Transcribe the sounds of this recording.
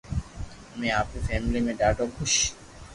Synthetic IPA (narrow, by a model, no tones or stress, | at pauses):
əmeaːpɾifɛːmilimẽɖaːʈoɡʱuʃ